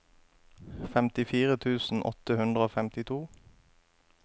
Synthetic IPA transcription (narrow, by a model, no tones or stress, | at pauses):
fɛmt̪ɪfiːʁət̪ʰʉːsn̩ʔɔ̰t̪əhʉnd̪ʁəoːfɛmt̪ɪt̪ʰuː